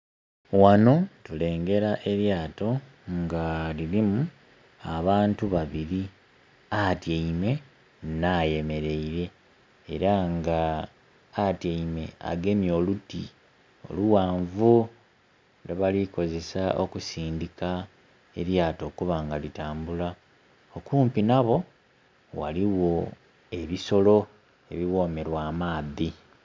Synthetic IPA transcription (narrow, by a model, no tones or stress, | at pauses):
wano̞tule̞ːŋɡe̞ɾaʔe̞ɾjaːto̞ | ŋɡalilimu | aβaːntuβaβiɾi | atjeime̞ | naje̞me̞ɾe̞iɾe̞ː | ɾaŋɡaː | tjeime̞̰a̰ɡe̞mjo̞ːluti | o̞̰luwaːɱvu | neβaliko̞ze̞saʔo̰kusiːndika | ḛɾjaːto̞ːkuβaːŋɡalitaːmbula | o̞kuːmpinaβo̞ | wa̰liwo̞ | e̞βiso̞lo̞ | e̞βiwo̞ːme̞ɾwaːmaːði